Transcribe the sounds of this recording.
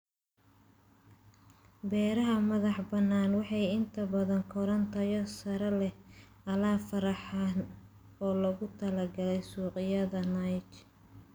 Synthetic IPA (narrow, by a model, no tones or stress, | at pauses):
bɛːɾɐɦɐmɐðɑħbɐnːaːnwɑħɑjɪnt̪ʰɐbɐðɐŋkʰɔɾɐnt̪ʰɐjɔsɐɾɐlɛ | ɐlaːfɐɾɑħɑːn | ɔːlɐɣʊt̪ʰɐlɐɡɐlɛjsuːqɪjɐðɐnɐjt͡ʃ